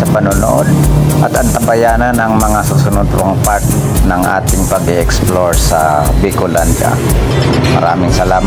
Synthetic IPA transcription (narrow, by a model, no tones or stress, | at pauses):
sɐpɐnʊno̰ʔod̪̚ʔɐt̪ɐnt̪ɐbɐjaːnɐnʔɐŋmɐŋasʊsʊnʊd̪̚poŋpaɾt̪ | nɐŋʔa̰ːt̪ɪŋpɐɡɛʔɛksploɹsɐbɪkʊland͡ʒa̰ | mɐ̰ɾa̰ːmɪŋsɐlaːm